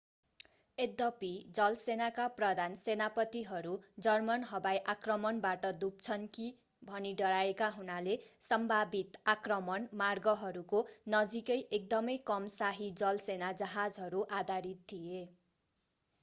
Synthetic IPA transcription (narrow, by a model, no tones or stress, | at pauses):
ed̪ʌpid͡zʌlsenakaprʌd̪ʱansenapʌt̪iɦʌɾud͡zʌrmʌnɦʌbajʔakrʌmʌnbaʈʌd̪up̚t͡sʰʌnki | bʱʌniɖʌɾaekaɦunalesʌmbʱabit̪akrʌmʌnmarɡʌɦʌɾukonʌd͡zikʌjʔek̚d̪ʌmʌjkʌmsaɦid͡zʌlsenad͡zʌɦad͡zɦʌɾuʔad̪ʱaɾit̪̚t̪ʰije